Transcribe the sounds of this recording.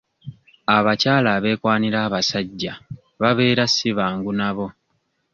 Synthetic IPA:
aβacaːlaːβe̞ːkwaːniɾaːβasaɟːa | βaβe̞ːɾasːiβaːŋɡunaβo̞

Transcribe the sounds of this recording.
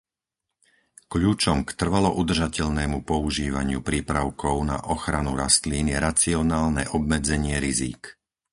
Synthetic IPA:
kʎuːt͡ʃɔmkt̪r̩ʋalɔʔud̪r̩ʒacɛʎnɛːmupɔuʒiːʋaɲɪupɾiːpɾaʊkʰɔʊna̰ʔɔxɾanuɾast̪liːniɛɾat͡siɔnaːlnɛʔɔb̚mɛd͡zɛɲɪɛɾizḭːk

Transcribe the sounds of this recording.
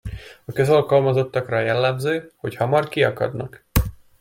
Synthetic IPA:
ɒkø̞zɒlkɒlmɒzo̞t̪ːɒkrɒjɛlːɛmzøːho̞chɒmɒrkiɒkɒ̰d̪nɒk

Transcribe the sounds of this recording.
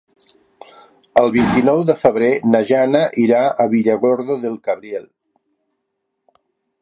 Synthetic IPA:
əlˠβint̪inɔwðəfəβɾenəʒanəʔiɾaʔəβiʎəɣɔɾðoðəlˠkaβɾiel

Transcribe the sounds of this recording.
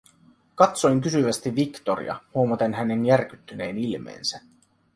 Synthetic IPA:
kɑt̪so̞jŋkysyʋæst̪iʋːikt̪oɾḭɑ̰huo̞mɑt̪enɦæne̞njærk̟yt̪ːyne̞ːnilmḛːnsæ

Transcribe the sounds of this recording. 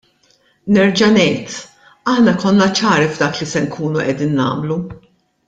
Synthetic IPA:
nɛɾd͡ʒɐnɛjt̪ | ɐħnɐkɔnːɐt͡ʃɐːɾivd̪ɐːklisɛŋkʰuːnuʔɛd̪iːnːɐ̰ːmlu

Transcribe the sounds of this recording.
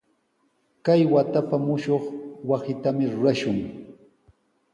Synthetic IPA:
kajwat̪apamʊʃoχwasɪt̪amɪɾʊɾaʃʊŋ

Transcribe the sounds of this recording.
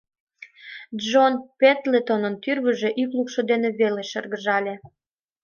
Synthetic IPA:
d͡ʒonpet̪let̪onənt̪yrβəʒeʔyklukʃŏd̪eneβeleʃərɣəʒɑlʲe

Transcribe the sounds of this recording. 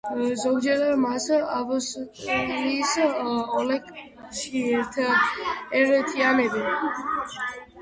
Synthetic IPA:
zɔɡd͡ʒɛɾamasavɔs | isɔlɛk | ʃiɛɾt̪ʰ | ɛɾt̪ʰianɛb̪ɛ

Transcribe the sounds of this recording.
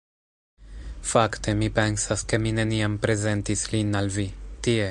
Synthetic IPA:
fakt̪emipensaskemineniampɾezent̪islinalvit̪ie

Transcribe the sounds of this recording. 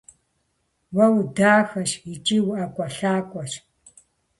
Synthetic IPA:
wɐwdaːxɐʃit͡ʃʼiːwʔɐkʷʼɐɬaːkʷʼɐʃ

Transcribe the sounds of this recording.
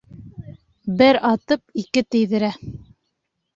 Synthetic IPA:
bɘɾɑt̪ɤp̚ikɘt̪ɘ̆jðɘ̆ɾæ

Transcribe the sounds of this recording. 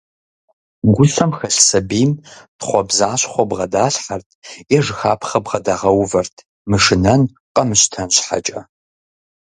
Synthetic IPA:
ɡʷʊɬɐmxɐɬsɐbiːmtχʷɔbzaːɕχʷɔbʁɐdaːɬħartʰjɛʐxaːpʰχɐbʁɐdaːʁɐwvɐrtʰ | mɨʂɨnɐn | qʼɐmɨɕtʰɐnɕħa̰t͡ʃʼɐ̰

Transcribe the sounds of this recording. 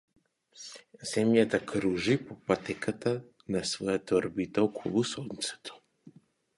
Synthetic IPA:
zɛmjat̪akɾuʒipopat̪ɛkat̪a | nasvɔjat̪ːɾbit̪aɔkʰɔlˠusɔnt̪sɛ̥t̪ʰɔ̥

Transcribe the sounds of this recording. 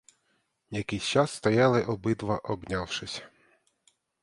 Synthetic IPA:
jɐkɪjsʲt͡ʃɑsːt̪ɐjɑlˠɪʔɔbɪt̪ʋɐʔɔbnʲɑwʃɪsʲɐ̥

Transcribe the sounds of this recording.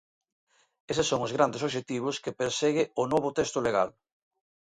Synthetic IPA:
esesːoŋʊzɣɾand̪es̬oʃ̬et̪iβ̞ʊskepeɾseɣɪʊnoβʊt̪ɛst̪ʊleɣa̰l

